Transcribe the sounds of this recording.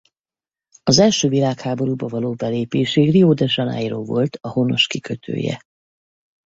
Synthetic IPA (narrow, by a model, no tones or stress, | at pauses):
ɒzɛlʃøːvilaːkhaːbo̞ɾuːbɒvɒloːbɛleːpeːʃeːrioːd̪ɛʒɒnɛ̰jroːvo̞̰lt̪ɒhono̞ʃkikʰøt̪ʰø̰ːjɛ̰